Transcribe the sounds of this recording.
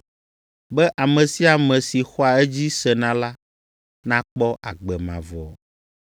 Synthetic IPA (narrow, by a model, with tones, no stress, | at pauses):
bɛ˦ʔa˨mɛ̃˨si˦a˨mɛ̃˨si˨xɔ˦a˨ɛ˦d͡ʑi˦sɛ˨nã˦la˦ | nã˦k͡pɔ˦ʔa˨ɡ͡bɛ˨mã̰˨vɔ̰˨